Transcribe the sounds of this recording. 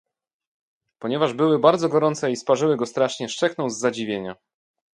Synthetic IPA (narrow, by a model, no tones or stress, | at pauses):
pɔɲɛvaʐbɘwɘbaɾd̪zɔɡɔɾɔnt̪sɛispaʐɘwɘɡɔst̪ɾaʂɲɛʂt͡ʂɛknɔ̃w̃zːad͡ʑivʲjeɲa